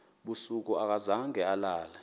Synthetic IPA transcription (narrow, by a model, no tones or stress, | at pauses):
ɓusuk̬uak̬azaŋɛalaːlɛ